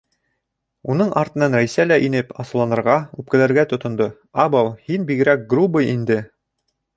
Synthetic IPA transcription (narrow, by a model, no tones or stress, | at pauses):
unɤɴʔɑɾt̪ɤ̆nɑnɾæjsælæʔinɘpɑsɤ̆lˠɑnɤ̆ɾʁɑʉp̚kɘ̆læɾɡæt̪ŏt̪ŏnd̪o | ɑbɑwhinbiɡɘ̆ɾæk̚ɡrubɤjind̪ɘ